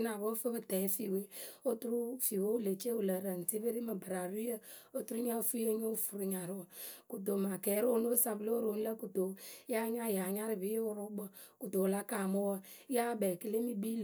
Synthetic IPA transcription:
na˨bo˦fə˦bɨ˨tɛ˨˦fi˨we˦o˦tu˦ɾu˦fi˨we˦u˦le˨t͡ʃe˦u˨lə˨ɾə˨n˨ti˦bə˦ɾi˦mə˨bə˨ɾa˨ɾi˦ə˦ | o˦tu˦ɾu˦ɲə˦fu˦e˦ɲo˦fu˨ɾu˨ɲa˨ɾwə˨ku˨do˨ma˨kɛ˨˦ɾo˦no˦sa˨blo˦ɾo˨˦n˦lə˦ku˨do˨˦ja˦ɲa˦˨ja˨ɲa˦ɾɪ˨bi˦ʊ˦ɾʊ˦bə˨ | ku˨to˨la˦ka˨mo˦wə˦ | ja˦bɛ˨kə˦le˦mi˦bi˦l

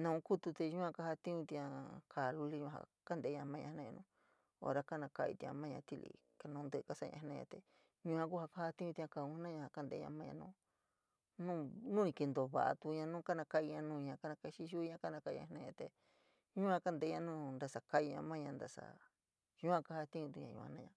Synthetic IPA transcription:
nã˧ũ˧˦ku˦t̪u˧t̪e˧ʒũ˦ã˧ka˧ha˧t̪i˦ɲũ˧t̪i˧ã˧kʰa˨˧lu˧li˦ɲũ˧a̰˧ka˦nd̪e˨˦ɲã˧mã˦ɲã˧˦nã˦˧ã˧nũ˦ | o̰˧ɾa˧ka˦nã˧ka˧ʔḭ˧t̪ĩ˧ã̰˧mã˦˧ɲã˧t̪i˧lḭ˧ | ka˧nũ˧nd̪ɨ˧ka˦sa˦˧ɲã̰˧nã˦ɲã̰˧t̪e˧˨ | ɲũ˧˦ã˧ku˦ha˧ka˦ha˧t̪ĩ˦ũ˧t̪i˧ã˧ka˧˨ũ˧hnã˦ɲã˧ha˧ka˦nd̪ḛ˧˦ɲã̰˧mã˦˧ɲã̰˧nũː˦ | nũ˦nũ˦nĩ˧ki˧nd̪o˨βa̰˨ʔa̰˧t̪u˧ɲã˧nũː˦ka˦nã˧ka˧i˧ɲã˧nũː˧ɲã˧ka˦nã˧ka˧ʃi˦ʃu˦˧˦ɲã˧˦ka˦nã˧ka˧ḭ˧ɲã̰˧˦nã˦˧ã˧t̪e˧ | ɲũ˦ã˧ka˦nd̪e˨˧˦ɲã˧nũ˦nd̪a˧sa˨ka˦i˧ɲã̰˧mã˦ɲã˧nd̪a˧sa̰˧˨ | jũ˦ã˧ka˧ha˦˧t̪ĩ˦ɲũ˧t̪u˧ɲã̰˧ɲṵ̃˧˨ã̰˧˦nã˦˧ɲã˧

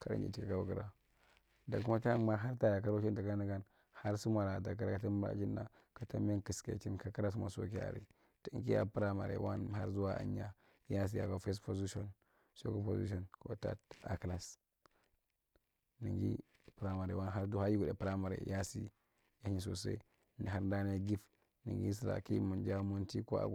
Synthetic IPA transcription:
ka˨ɾa̰˦˨d͡ʒḭ˨ti˦˨ka˨ka˦wa˨kɾa˨ | da˨kma˦ta˦ma˦ɦa˦ɾta˦ja˨ka˦ɾo˦t͡ʃi˦n˦da˨ka˦na˦ɡa˦n | ha˦ɾsu˦ma˨ɾa˨ta˨k̬a˦ɾa˦ka˨ta˦m˦ɾa̰˦ki˦nːa˨ | ka˨ta˦m˦e˦nki˨skḛ˨t͡ʃi˦nka˦ka˦ɾa˦s̬ma̰˨so̰˦ki˦a̰˨ɾḭ˨ | ta˦ŋ˦ki˦ja̰˨pɾa˦ma̰˨ɾḛ˨wa˦n˨ha˦ɾzu˦wa˦ʔa̰˨ɲːa˦ | ja˦s̬i˦ja̰˨ko˦fe˦spo˨zi˦ʃo˦˨n | so˦ko˦po˨zḭ˦ʃ̬o˦nko˨ta̰˦ta˨kla˨s | ni˨ŋɡi˦ | pɾa˦ma˨ɾḛ˨wa˦nɦa˦ɾdu˦ha˦ji˦ɡu˨de˨pɾa˦ma˨ɾḛ˨ja˦si˦ | ja˦hɲi˨s̬o˨se˦ | ni˨ɦa˦ɾda˦ne˦ɡi˦f | ni˨ŋɡḭ˦s̬i˨ɾa̰˨ki˦mu˨nd͡ʒa˦mu˦nti˦ko˦a̰˨ɡ

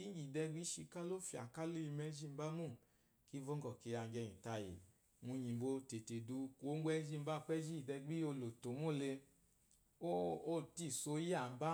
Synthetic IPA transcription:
i˦ɡi˨dɛ˧ɡ͡bi˦ʃi˧ka˦lo˦fi˧˨a̰˨ka˦le˦i˧mɛ˦d͡ʒi˦m̩˦ba˦mu˦˨ | ki˨˦vɔ˦ŋ˦ɡɔ˨ke˨a˧˨ɡɛ˧ɲĩ˨ta˧jḭ˨ | mu˧ɲi˨bo˧te˨te˨du˧ku˨o˨˦ɡ͡bʷɛ˧˦d͡ʒi˦˧˦ba˦˨˧k͡pɛ˦d͡ʒi˦i˨dɛ˧ɡ͡bi˦o˧lo˨to˨˦mo˦˨le˧ | o˦o˦˨ti˦˨so˧˦ja˨m̩˦ba˦

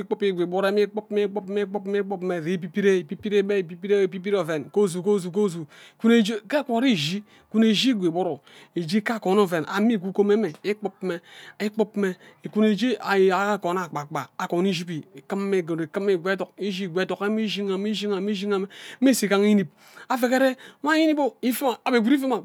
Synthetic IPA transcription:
i˦k͡pu˦pi˦˨ɡʷe˨bo˦ɾe˦mi˦k͡pu˦pme˦k͡pu˦pme˦k͡pu˦pme˦k͡pu˦pme˨ɾi˨˦˨p̬i˦pi˦ɾe˦˨pi˦pi˦ɾe˦be˦˨pi˦pi˦ɾe˦˨pi˦p̬i˦ɾo˨ve˨nko˦˨zu˨ko˦zu˨k̬o˦zu˨ku˦ne˦d͡ʒe˦ke˦kʷo˨ɾi˦˨ʒi˦˨ | ku˦ne˨ʒi˦ɡʷe˨bo˦ɾo˨ | e˨d͡ʒi˦ka˦˨ko˨no˦˨ve˨na̰˨mi˦˨ku˦ko˦me˦me˨i˦k͡pu˦pme˦i˦k͡pu˦pme˦˨ku˦ne˨d͡ʒi˦a˨˦a˨a˦˨ko˨na˨k͡pa˨k͡pa˨a˨ko˨n˦i˦ʒi˦pi˨kɨ˦mːe˦˨ɡo˨e˨kɨ˦me˨ɡʷe˦to˨ki˦ʒi˦˨ɡʷe˦to˨ka˦mi˦ʒi˦ŋa˨mi˦ʒi˦ŋa˨mi˦ʒi˦ŋa˨me˨˦e˦si˨ka˦ŋi˦ni˦p̚ | a˨fe˨ke˦ɾe˦mʷa˦ji˦ni˦po˦i˦fi˦ma˨a˨be˨ɡi˨ɾi˦fi˦ma˨

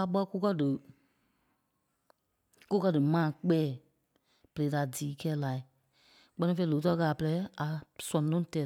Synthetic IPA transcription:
a˧˦ɓɔ˧˦ku˦kɜ˧dɨ˨ | ku˦kɜ˧dɨ˨mãː˨k͡pɛː˨˦˨ | b̥ə˨e˨˦da˨diː˨˦kɛː˦la˨i˨ | k͡pɜ˦nĩ˧fe˧ĩ˧˨loː˨˦t̬ɔ˧˦kaː˨pə˧lɛ˨˦a˨sɔ̃˨˦nõ˦tɛː˨˦

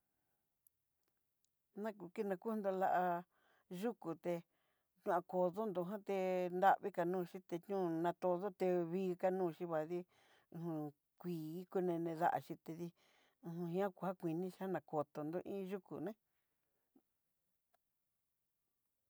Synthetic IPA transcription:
nã˦ku˧ki˦nã˧ku˦nd̪o˧la˧ʔa˧ | ʒu˦ku˨t̪e˧ | t͡ʃũ˧ã˧ko˨ðo˦nd̪o˧ɦã˦t̪e˧nd̪a˦βi˦ka˧nũː˦˧ʃĩ˦t̪e˧t͡ʃɲũ˦nã˧t̪o˧ðo˦t̪e˧βiː˧ka˧nũː˦˧˨ʃi˧βa˨ðĩ˦˧˨ | ũ˧ | kʷiː˨˧˨ku˧nẽ˧nẽ˧ða̰˦ʔa̰˧ʃi˧t̪e˧ði˧ | ũ˧ɦũ˧ɦĩ˧˦ã˦kʷu˧ha˦kʷi˨˧nĩ˧ʃa˦nã˨ko˨t̪o˨nd̪o˧ʔĩ˦ʒu˦kṵ˨nẽ˦

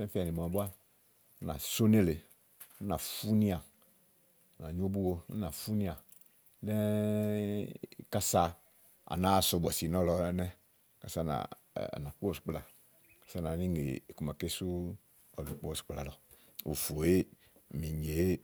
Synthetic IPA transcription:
sɛ˦fi˦a˨ni˨mɔ̃˨bu˦a˦ | na̰˨so˦ne˦le˨˦ | na˨fu˦nĩ˦a˨˦ | na˨ɲ˦o˦bu˦wo̰˧˦na˨fu˦nĩ˦a˨ | lɛ˦˨ | ka˦sa˧ | a̰˨na˦˨sʊ˨˧bɔ˨si˨nɔ˦lɔ˧˦nɛ˦ | ka˨sa˦na̰˨ | na˨k͡pu˦o˨su̥˨k͡pla˨ | kḁ˦sa˦nã˨ni˦ŋḛ˨ku˨ma˨ke˦su˦ | ɔ˨lu˨k͡pu˦ɔ˨su̥˨k͡pla˨lɔ˨ | o̰˨fo˨e˦ | mi˨ɲe˨˦

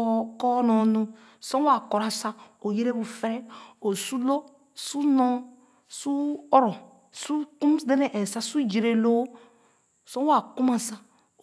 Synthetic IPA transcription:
kɔ˦nɔ˨nu˦ | sɔ˦wa˨kɔ˨ɾa˨sa˦o˨je˦ɾe˦bu˨fe˦ɾɛ˦o˨su˦lo˦ | su˦nɔ̃˦ | su˦ɔ˦ɾɔ˨ | su˦ku˦m˨de˦ne˨ʔɛ˨sa˦su˦d͡ʒi˨ɾe˨lo˦ | sɔ˦wa˨ku˦ma˨sa˦˨

